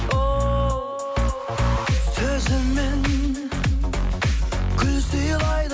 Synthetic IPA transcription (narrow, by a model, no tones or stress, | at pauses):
o | sɵzɪmːen | kʲʰʏlsijlˠɑjd̪